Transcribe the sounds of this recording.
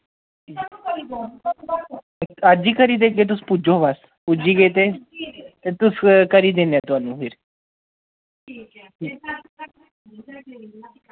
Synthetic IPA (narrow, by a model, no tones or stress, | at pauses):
ad͡ʒiːkəɾiːd̪eɡet̪̬ʊspud͡ʒobas | pud͡ʒiːɡet̪e | t̪ʊskəɾid̪ẽnjat̪ʊaːnũːfʰɪɾ | iː